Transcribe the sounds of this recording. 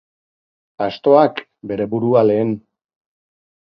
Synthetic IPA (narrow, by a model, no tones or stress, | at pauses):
ast̪o̞ak | be̞ɾe̞buɾuale̞ːn